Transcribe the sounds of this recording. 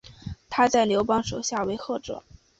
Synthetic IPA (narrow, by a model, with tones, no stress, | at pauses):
t̪ʰa˥t͡sa˥˩ɪljo˧˥ʊpɑ˥ŋʂo˨˩ʊɕja˥˩we˧˥ɪxɤ˥˩ʈ͡ʂɤ̰˨˩˦